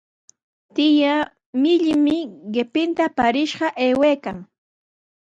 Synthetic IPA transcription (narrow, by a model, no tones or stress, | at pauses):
t̪ɪja | mɪʎɪmɪɢɪpɪnt̪apaɾɪʃɢɑʔeːwejkaŋ